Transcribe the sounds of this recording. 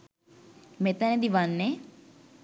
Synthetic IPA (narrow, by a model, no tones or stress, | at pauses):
mẽːt̪ãnẽːd̪iːʋanːẽː